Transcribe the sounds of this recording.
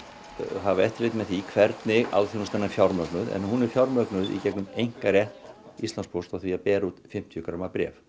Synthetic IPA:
ɦavaɛht̪ɪ̥ɾejt̪mɛθikʰvɛɾt̪nɪɣa̰wðθinst̪ɛnːafjawɾmœknʏðɛ̰nhunɛɾ̥fjawɾmœknʏðḭcɛknʏmejŋ̥karjɛht̪ist̪anspowst̪awθviapɛːɾut̪fɪm̥t̪ʰjʏkɾamapɾjɛ̰ːf

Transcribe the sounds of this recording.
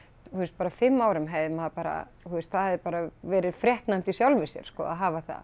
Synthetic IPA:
θuɛst̪̚paːɾafɪmːaːwɾʏmɦejðɪmaðpaːɾa̰ | θuɛst̪θaðɛðɪpaːɾavɛːɾɪðfɾjɛht̪najm̥t̪isjawlvɪsjɛ̰ɾ̥skɔ̰a̰ðɦaːvaθa̰ð

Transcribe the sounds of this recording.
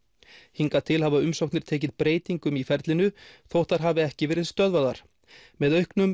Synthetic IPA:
hiŋkat̪ʰɪlhavaʏmsowk̚tnɪɾ̥t̪ʰeːcɪðpɾeːjt̪iŋkʏmifɛɾt̪lɪnʏθowht̪aɾ̥ɦaːvɪɛhcɪvɛːɾɪðst̪œðvaðaɾ̥ | mɛðœɥhknʏm

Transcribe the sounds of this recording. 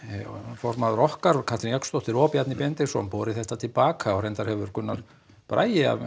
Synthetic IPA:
fɔɾmaðʏɾɔhkaɾɔkʰḁt̪ɪnjakst̪owht̪ɪɾɔːpjat̪nɪpjɛnt̪ɪsɔ̰ampɔːɾɪθɛht̪at̪ʰɪlpaːkaɔɣɾɛjnt̪aɾhɛvʏɾkʰʏnːaɾ̥ | pɾa̰ːjɪa̰v

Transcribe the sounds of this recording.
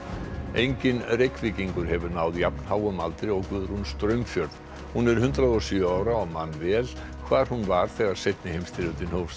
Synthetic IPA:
ejɲcɪnrejkvɪciŋkʏɾ̥hɛvʏɾnaːwðjapnhaːwʏmalt̪ɾɪɔɣkvʏðʏɾ̥hunst̪ɾœɥmfjœɾð | hunɛɾ̥hʏnt̪ɾaðɔsʏaːwɾaɔɣmanːvɛːl | kʰvaːɾ̥hunvaɾ̥θɛɣaɾ̥sejt̪nɪhejmst̪ʰɪɾʏt̪ɪnhows

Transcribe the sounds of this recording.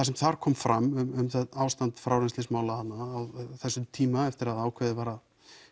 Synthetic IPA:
θasɛmθaɾ̥kʰɔːmfɾamːʏmʏmθawst̪ant̪fɾaːwɾɛnstlɪsmaːwlahat̪nːaːwθɛsːʏt̪ʰiːmaɛft̪ɪɾaðaːwkʰvɛðɪvaːɾað

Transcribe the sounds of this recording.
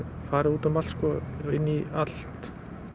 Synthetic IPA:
faːɾɪuːt̪amalskɔɪnːialt̪

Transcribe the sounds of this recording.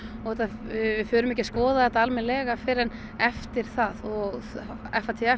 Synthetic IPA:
ɔɣhɛt̪ːavɪfʏːɾʏmɛhcɪskɔːðaðɛt̪aalmɪnlɛɣafɪɾɛn | ɛft̪ɪɾ̥θaðɔɣɛfːat̪ʰɪɛ

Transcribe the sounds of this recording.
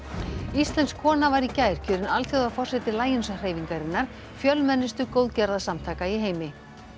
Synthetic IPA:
ist̪lɛnskʰɔːnavaɾicaːjɾ̥cʰʏːɾɪnalt̪ʰjoɣðafɔr̥sɛt̪ɪlaːjɪnsar̥eːjviŋkaɾɪnːaɾ̥ | fjœlmɛnːɪst̪ʏkowðcɛɾðasamt̪ʰaːkaiɦeːjmɪ

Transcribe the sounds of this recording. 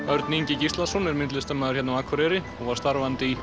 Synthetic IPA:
œɾt̪niɲcɪcist̪lasɔnɛɾmɪnlɪst̪ɛmːaðʏɾ̥çɛt̪nawaːkʰvɔɾɛɾɪ | ɔɣvaɾ̥st̪aɾvant̪ɪi

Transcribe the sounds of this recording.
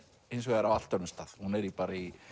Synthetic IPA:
ejns̬ɔðaɾawal̥t̪œɾnʏmst̪aːð̥hunɛɾipaːɾai

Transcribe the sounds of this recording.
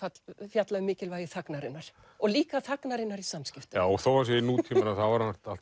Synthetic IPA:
at̪fjat̪laðmɪːcɪlvaːjɪθaknaɾɪnːaɾ̥ | ɔɣliːkaθaknaɾɪnːaɾisamscɪft̪ʏ̥aːwɔɣθowvas̬ɛinuːt̪ʰiːmanaθavaɾaḁt̪al̥t

